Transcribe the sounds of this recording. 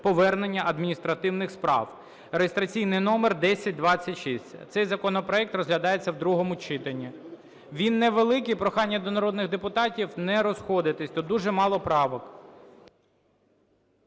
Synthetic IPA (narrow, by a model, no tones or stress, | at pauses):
pɔʋɛrnenʲːɐʔɐd̪mʲinʲist̪ɾɐt̪ɪwnɪxspɾɑ̰w | ɾejest̪ɾɐt͡sʲijnɪjnɔmerd̪ɛsʲɐt̚ʲd̪ʋɑt͡sʲːɐtʲʃisʲtʲt̪sɛjzɐkɔnɔpɾɔɛk̚t̪rɔzɦlʲɐd̪ɑjet͡sʲːɐwd̪ɾuɦɔmʊt͡ʃɪt̪ɐnʲːi | ʋʲinːɛʋelˠɪkijpɾɔxɑnʲːɐd̪ɔnɐɾɔd̪nɪɣd̪epʊt̪ɑtʲiwnɛɾɔsxɔd̪ɪt̪ɪsʲt̪ɔd̪uʒɛmɑlˠɔpɾɑʋɔk